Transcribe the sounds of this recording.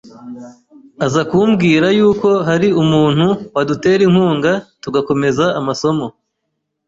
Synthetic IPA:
azakumɡiːɾajuːko̞ɦaɾiumuːn̥huwadute̞ːɾiŋ̥huːŋɡatuɡako̞me̞zaːmaso̞mo̞

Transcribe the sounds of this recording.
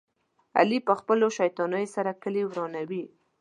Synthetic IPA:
a̰lipəxpəloʃajt̪ɑnəjosaɾakəlewɾɑnawi

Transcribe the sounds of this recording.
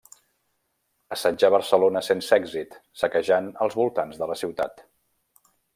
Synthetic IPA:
əsad͡ʒaəβərsəlonəsensɛɡzit̪səkəʒanəlˠzβulˠt̪anzðələsiwt̪a̰t̪

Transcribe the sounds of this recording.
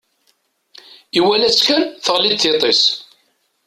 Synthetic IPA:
iwælæt͡sːkænθəʁlid̪θet̪ˤes

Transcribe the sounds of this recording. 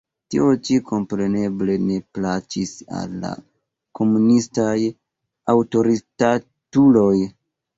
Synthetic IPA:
tiot͡ʃiko̞mpɾe̞ne̞ble̞ne̞plat͡ʃisa̰lːa̰ | ko̞munistaj | awto̞ɾita | tulo̞j

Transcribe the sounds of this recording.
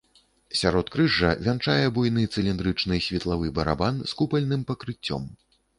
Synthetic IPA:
sʲaɾɔt̪kɾɨʐɐ̰vʲant͡ʂajɛbujnɨt̪sɨlʲind̪ɾɨt͡ʂnɨjsʲvʲɛt̪lˠavɨbɐɾa̰banskupɐlʲnɨmpɐkɾɨt͡sʲːɔ̰m

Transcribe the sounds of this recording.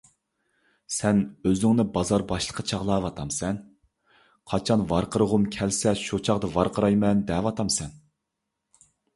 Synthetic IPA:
sɛnøzɪŋnɪbɑzɑɾbɑʃlˠə̥qʰːɑt͡ʃʰɑʁlˠɑːvɑt̪ʰɑmsɛn | qʰɑt͡ʃʰɑnvɑɾqəɾəʁʊmkʲʰɛlsɛʃot͡ʃʰɑʁd̪ɨvɑɾqʰəɾɑjmɛnd̪ɛvɑt̪ʰɑmsɛn

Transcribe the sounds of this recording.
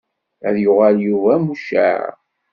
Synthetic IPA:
æ̰ðjʊʁaljuvæmuʃæ̰ɾ

